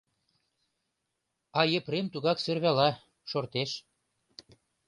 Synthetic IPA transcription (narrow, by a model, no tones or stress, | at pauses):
ɑjə̆pɾemt̪uɣɑksørβælɑ | ʃort̪eʃ